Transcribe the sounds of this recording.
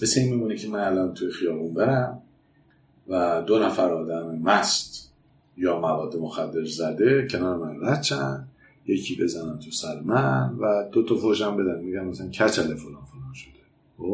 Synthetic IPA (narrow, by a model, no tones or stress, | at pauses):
meseinmiːmunecʰemænælɒːnt̪ʰujexijɒːbunbeɾæm | væd̪o̞næfæɾɒːd̪æmemæst̪ | jɒːmævɒːd̪ːemoxæd̪ːe̞ɾzæd̪e̞cʰe̞nɒːɾemænræt̪t͡ʃʰænd̪ | jecʰiːbe̞zænænt̪ʰusæɾemænvæd̪̥ot̪ʰɒfoʃæmbe̞d̪ænmiɡænmæsææncʰæt͡ʃʰælefolɒːnfolɒːnʃo̥d̪̥e | xob